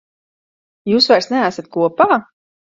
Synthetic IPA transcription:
juːsvajɾsnɛæsat̪̚kuɔpaː

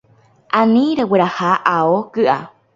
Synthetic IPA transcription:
ʔãnĩɾeweɾahaʔaokɨʔa̰

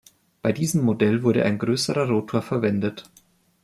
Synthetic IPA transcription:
b̥aɪdiːzəmːodɛlvʊɐɾə̰ʔa̰ɪnɡʁøːsəʁɐʁoːtʰoːɐfɛɐvɛndət

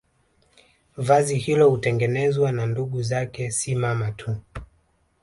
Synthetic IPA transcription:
vazihilɔhutɛŋɡɛnɛzwananduɠuzakɛsimamatʰu

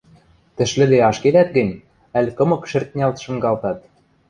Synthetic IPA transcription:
t̪ɘ̆ʃlɘ̆d̪eɑʃked̪æt̪̚ɡɘ̆nʲ | ælʲkɤ̆mɤ̆kʃɘ̆rt̪̚nʲɑlt̪ʃɤ̆mɡɑlt̪ɑt̪

